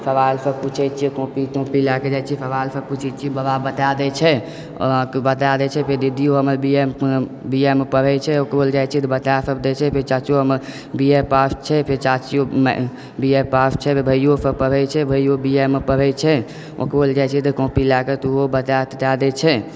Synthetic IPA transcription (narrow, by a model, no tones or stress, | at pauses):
pʰəʋalsəbput͡ʃʰɛt͡ʃʰiɛkõpit̪õpilaked͡ʒat͡ʃʰiɛpʰəʋalsəput͡ʃʰɛt͡ʃʰibəbabət̪ad̪ɛt͡ʃʰɛ | bət̪ad̪ɛt͡ʃʰɛpʰeɾd̪id̪ijoɦəməɾbiem | biemepəɾɛt͡ʃʰɛokbold͡ʒajt͡ʃʰɛt̪bət̪asəbd̪ɛt͡ʃʰɛpʰeɾt͡ʃat͡ʃoɦəməɾ | biepast͡ʃʰɛpʰeɾt͡ʃat͡ʃijom | biepast͡ʃʰɛpʰebʱəjjosəpəɾɛt͡ʃʰɛbʱəjobiemepəɾɛt͡ʃʰɛ | o̰kbold͡ʒajt͡ʃʰɛt̪əkõpilakət̪obət̪at̪ad̪ɛt͡ʃʰɛ